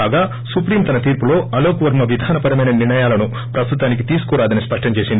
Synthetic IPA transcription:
aːɡaː | supɾiːmt̪ɐnɐt̪iːɾpulo̞ːɐloːkɐʋɐɾmɐʋid̪ʱaːnɐpɐɾɐmɐjnɐniɾɳɐjaːlɐnu | pɾɐst̪ut̪aːnik̬it̪iːsu̥kuːɾaːd̪ɐnispɐʂʈʰɐmt͡ʃe̞ːsind̪i

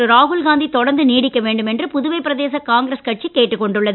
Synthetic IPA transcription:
ɯɾaːɦʊlɡaːnd̪it̪ɔɽɐɾnd̪ɯniːɽɪkːɐʋeːɳɖɯmɛndrɯpʊðʊʋɐɪpːɪɾɐðeːsɐkaːŋɡɪɾɐskɐʈ̚t͡ʃikːeːʈːɯkːɔɳɖɯɭːɐð

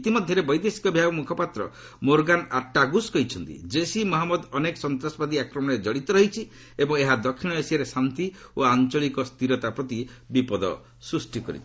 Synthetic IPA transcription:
it̪imɔd̪ʱjɔɾebɔjd̪esi̥kɔbʱiɦabɔmukʰɔpat̪ɾɔ̰ | moɾɡanaʈaɡuskɔit͡ʃʰɔnt̪ḭd͡ʒesimɔɦamɔd̪ɔnekɔsɔnt̪ɾasɔbad̪iakɾɔmɔɽ̃ed͡ʒɔɽit̪ɔɾɔɦit͡ʃʰi | ebɔŋeɦad̪ɔkʰːiɽ̃ɔesiaɾesant̪ioant͡ʃɔɭikɔst̪iɾɔt̪apɾɔt̪ibipɔd̪ɔ̰ | sɾusʈikɔ̰ɾḭt͡ʃʰi

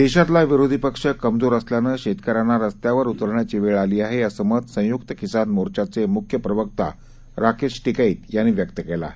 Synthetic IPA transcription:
d̪eɕat̪laʋiɾod̪ʱipəkʂəkəmd͡zoɾəsljanəɕet̪kəɾanaɾəst̪jaʋəɾut̪əɾɳjat͡ɕiːʋeɭaliːaɦeəsəmət̪sə̃jukt̪əkisanmoɾt͡ɕat͡semukʰjəpɾəʋəkt̪a̰ | ɾakʰeʂʈikaiːt̪janːiʋjəkt̪əkela̰

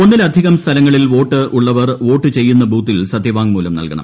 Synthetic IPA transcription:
onːilɐd̪ʱiɣɐmst̪ʰɐlɐŋːɐɭilʋo̞ːʈːɨʔuɭːɐʋɐrʋo̞ːʈːɨt͡ɕe̞jːunːɐbʱuːt̪ːilsɐd̪ʱjɐʋaːŋmuːlɐmnɐ̰lkɐ̰ɳɐ̰m

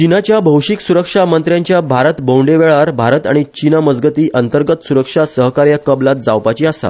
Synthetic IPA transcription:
t͡ɕinat͡ɕjabʱəwʂiksuɾəkʂamənt̪ɾjaɲt͡ɕjabʱaɾət̪bõwɳɖeʋeɭaɾbʱaɾət̪aɽ̃it͡ɕinaməd͡zɡət̪iːʔənt̪əɾɡət̪suɾəkʂasəɦkaɾjakəblat̪̚d͡zawpat͡ɕiːasa̰

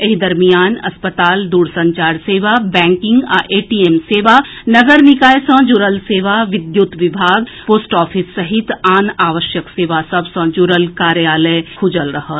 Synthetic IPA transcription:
ɐɦid̪ɐɾmijaːnɐ̰spət̪aːld̪uːɾsɐ̃ɲt͡ʃaːɾseːʋabɛ̃ːŋkɪ̃ŋɡa̰ʔeːʈieːmseːʋanɐɡəɾnɪkaːjsə̃d͡ʒuɾəlseːʋaʋɪd̪jut̪ʋɪbʱaːɡpoːsʈɔːfʰisːɐɦɪt̪aːnaːʋəʃjəkseːʋasɐbsə̃d͡ʒuɾəlkaːɾjaːləjkʰʊd͡ʒəlɾɐɦət̪

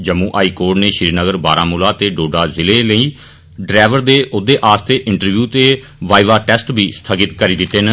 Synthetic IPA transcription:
d͡ʒəmũːʔaːiːkoːɾɖneːʃɪɾiːnəɡəɾba̰ːɾãːmuːlaːt̪eːɖoːɖaːzɪleːləiː | ɖɾɛːʋəɾd̪eːʔʊd̪eːʔaːst̪eːʔɪɳʈəɾʋjuːt̪eː | ʋaːiʋaːʈɛːsʈbʱiːsə̥t̪ʰəɡɪt̪kəɾiːd̪ɪt̪ːeːnə

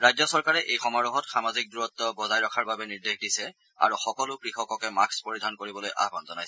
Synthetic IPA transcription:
ɹajdzɔsɔɹkaɹɛʔejxɔmaɹɔɦɔtxamazik̚duɹɔt̪ːɔbɔzajɹɔkʰaɹbabɛniɹdexdisɛ | a̰ɹuxɔkɔlʊkɹixɔkɔkɛmakspoɹidʱankoɹibɔlojʔa̰bɔnzɔnajsɛ

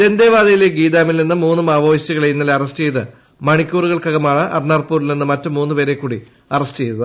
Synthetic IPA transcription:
d̪e̞nd̪eːʋaːðɐjileɡiːd̪aːmilninːɨmuːnːɨmaːʋoːɕt͡ɕiɣɐɭejinːɐlɐrɐstɨt͡ɕe̞jðɨ | mɐɳikʲːuːruɣɐɭkɐɣɐmaːɳɨʔɐ̰rnaːrpuːɾilninːɨmɐtːɨmuːnːupeːɾe̞kːuːɽi | ɐrɐstt͡ɕe̞jt̪uð

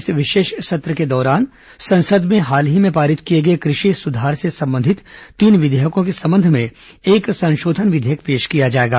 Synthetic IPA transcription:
sʋɪʃeːʃsɐt̪ɾəked̪ɔːɾaːn | sɐ̃nsəd̪mẽɦaːlɦimẽpaːɾɪt̪kijeɡɐekɾɪʃisʊd̪ʱaːɾsesɐ̃mbə̃nd̪ʱɪt̪t̪ːiːnʋɪd̪ʱeːɦəkõk̬esɐ̃mbə̃nd̪ʱmẽ | eːksɐ̃nʃoːd̪ʱənʋɪd̪ʱeɦəkpeːʃkijad͡ʒaːeːɡa̰ː

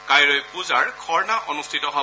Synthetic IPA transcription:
kajɹɔjkuzaɹkʰɔɹnaʔɔnustʰitɔɦɔ

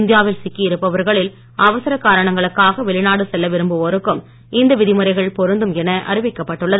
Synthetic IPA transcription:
nd̪ɪjaːʋɪlsɪkːiɪɾɯpːɐʋɐɾɣɐɭɪl | ɐʋɐsɐɾɐkːaːɾɐɳɐŋɡɐɭɯkːaːɣɐʋɛɭɪnaːɽɯsɛlːɐʋɪɾɯmbɯɔɾɯkːɯm | ɪnd̪ɐʋɪðɪmɯɾɐɪɣɐɭpɔɾɯnd̪ɯmɛnɐʔɐ̰ɾɪʋɪkːɐpːɐʈːɯɭːɐð

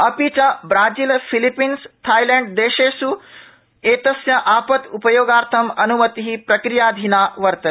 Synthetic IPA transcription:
ɐpit͡ʃabɾaːd͡ʒiːlfʰilipiːnst̪ʰaːjleːɳɖ̚d̪eːʃeːsu | eːt̪ɐsjɐʔaːpɐt̪upɐjoːɡaːɾt̪ʰɐmɐnumɐt̪iɦipɾɐkɾijaːd̪ʱinaːʋɐɾt̪ɐ

